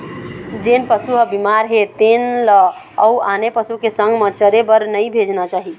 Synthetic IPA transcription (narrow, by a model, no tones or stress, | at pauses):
d͡ʒenpəsuɦəbimaɾɦet̪enləː | uanepəsukesəŋɡmet͡ʃəɾebəɾnəjbʱed͡ʒnat͡ʃaɦi